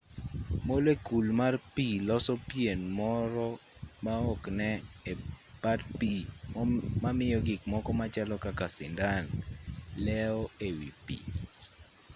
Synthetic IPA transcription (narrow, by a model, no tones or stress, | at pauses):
molekulmarpilɔsɔpjenmɔɾɔ | maɔknɛepatpi | mamɪjɔɡɪkmɔkɔmat͡ʃalɔkakasɪ̰ndanlɛɔewḭpḭ